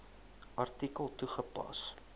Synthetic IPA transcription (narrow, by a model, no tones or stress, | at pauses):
ʔɐrtikəlˠtuχəpɐ̰s